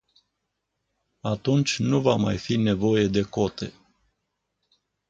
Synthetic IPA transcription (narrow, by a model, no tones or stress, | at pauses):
at̪unt͡ʃʲnuvamajfine̞vo̞je̞d̪e̞ko̞t̪e̞̰